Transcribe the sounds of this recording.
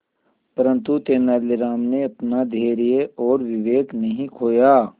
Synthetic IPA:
pəɾə̃nt̪ut̪eːnaːlɪɾaːmneɐpnad̪ʱeːɾijeʔɔːɾʋɪʋeːknɐɦĩkʰoːjaː

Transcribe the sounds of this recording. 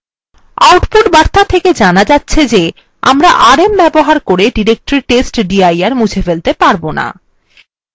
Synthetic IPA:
awʈpuʈbaɾt̪at̪ʰeked͡ʑanad͡ʑatːɕʰed͡ʑe | a̰mɾaʔaɾembɛboɦaɾkoɾeɖiɾek̚ʈɾiɾʈesʈɖiajaɾmud͡ʑʰefelt̪epaɾbona̰

